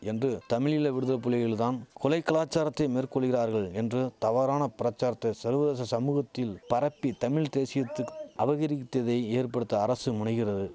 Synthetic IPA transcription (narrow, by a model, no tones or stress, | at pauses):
ɛndrɯt̪ɐmɪɭɪlɐʋɪɽɯðɐpʊlɐɣɐɭɪlt̪aːnkɔlɐɪkːɐlaːt͡ʃːaːɾɐt̪ːɐɪmeːrkɔɭːɯɣɪraːɾɣɐɭɛndrɯt̪ɐʋaːɾaːnɐpɪɾɐt͡ʃːaːɾɐt̪ːɐsɐɾʋɐðeːs̬ɐsɐmuːɣɐt̪ːɪlpɐɾɐpːit̪ɐmɪɭt̪eːsɪjɐt̪ːɯʔɐʋɐɣɐɾɪt̪ːɐðɐɪeːrpɐɽɯt̪ːɐːɾɐsɯmʊɳɐɪɣɪrɐðɯ